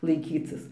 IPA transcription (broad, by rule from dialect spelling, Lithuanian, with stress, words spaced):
lˠɐɪˈkʲiːt͡sʲɪs